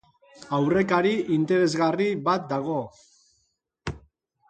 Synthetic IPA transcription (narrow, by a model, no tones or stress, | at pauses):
awre̞kaɾiʔint̪e̞ɾe̞zɣaribat̪̚d̪aɣ̞o̞